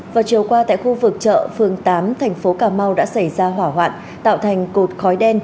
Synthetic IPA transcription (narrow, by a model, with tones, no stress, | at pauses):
vaː˨˩t͡ɕi˨˩əwkwaː˧t̪a̰ː˧˨jxu˧vɨ˨˩k̚t͡ɕə̰ː˧˨fɨ˨˩əŋt̪aː˨˦mt̪ʰɛ˨˩jŋ̟fo˨˦kaː˧˩ma˧wɗa̰ː˧˥sa˧˩jzaː˧ɦwaː˧˩ɦwa̰ː˧˨n | t̪a̰ː˧˨wt̪ʰa˨˩jŋ̟ko˨˩t̚xɔ˨˦jɗɛ˧n